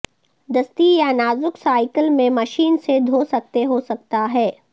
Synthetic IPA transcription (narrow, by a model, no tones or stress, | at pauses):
d̪ɐst̪ijanaːzʊksaːɪkəlmẽmɐʃiːnsed̪ʱoːsɐk̚t̪eɦosɐk̚t̪aɦɛː